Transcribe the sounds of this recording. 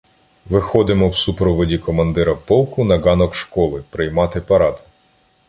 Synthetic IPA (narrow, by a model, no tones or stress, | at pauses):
ʋɪxɔd̪ɪmɔwsupɾɔʋɔdʲikɔmɐnd̪ɪɾɐpɔlˠkʊnɐɡɑnɔkʃkɔlˠɪpɾɪjmɑt̪ɪpɐɾɑd̪